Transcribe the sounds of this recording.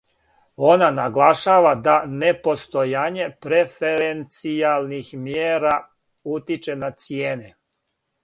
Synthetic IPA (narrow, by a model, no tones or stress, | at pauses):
o̞nanaɡlˠaʃaːʋad̪anepo̞st̪ojaːɲe̞pɾefeɾent̪sijalˠnixmjeːɾa | ut̪it͡ʃe̞nat̪sjeːne